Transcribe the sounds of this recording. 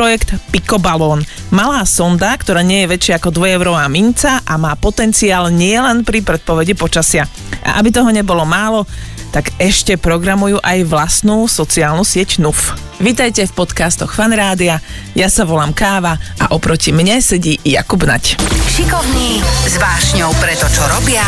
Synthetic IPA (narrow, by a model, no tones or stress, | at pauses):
ɾɔjɛkt̪pikɔbalɔːn | malaːsɔnd̪akt̪ɔɾaːɲɪɛjɛʋɛt͡ʃɪaakɔd̪ʋɔjɛʊɾɔʋaːmint͡saʔamaːpɔt̪ɛnt͡siaːlɲɪɛlɛnpɾipɾɛt̪̚pɔʋɛɟipɔt͡ʃasɪa | ʔa̰ʔabit̪ɔɦɔɲɛbɔlɔmaːlɔ | t̪aɡɛʃcɛpɾɔɡɾamujuːʔajʋlast̪nuːsɔt͡siaːlnusɪɛcnuf | ʋit̪ajcɛfpɔt̪kast̪ɔxfanɾaːd̪ia | jasaʋɔlaːmkaːʋaʔa̰ʔɔpɾɔcimɲɛsɛɟiːja̰kubna̰cʃikɔʋniːzʋaːʃɲɔʊpɾɛt̪ɔt͡ʃɔɾɔbɪa